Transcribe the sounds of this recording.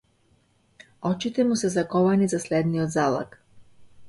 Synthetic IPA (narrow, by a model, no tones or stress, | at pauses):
ɔt͡ʃit̪ɛmusɛzakɔvanizaslɛd̪niɔd̪zalˠa̰k